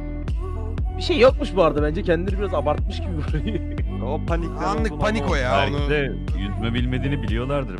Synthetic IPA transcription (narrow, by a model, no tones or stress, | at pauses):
biʃejːap̚mɯʃbuaɾd̪ɯbænd͡ʒɛcʰɛnd̪ilʲeɾibiɾazabaɾt̪̚mɯʃcʰibibøɾei | opʰanikʲanːɯanikojaæ̰lʲd̪ɛ | jyt̪ʰmɛbilʲmed̪iːnibilʲijo̞lˠaɾd̪ɯɾ